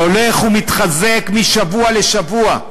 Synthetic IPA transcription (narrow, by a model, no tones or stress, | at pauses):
ole̞χumit̪χaze̞kmiʃavuale̞ʃavua